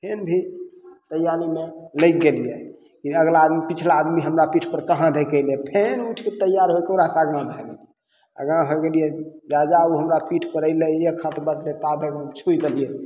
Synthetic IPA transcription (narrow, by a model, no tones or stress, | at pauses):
pʰenbʱit̪əjaɾimeləjk̚ɡelijɛ | kiəɡlaːd̪mipit͡ʃʰlaːd̪miɦəmɾapiʈʰpəɾkəɦãd̪ʱekəɪlpʰenuʈʰket̪əjaɾɦojkəɾasaɡãbʱɛɡi | a̰ɡãɦoɡelijɛd͡ʒad͡ʒauɦəmɾapiʈʰpəɾəɪleekʰːãt̪bət͡ʃʰlet̪abʱəkt͡ʃʰud̪elijɛ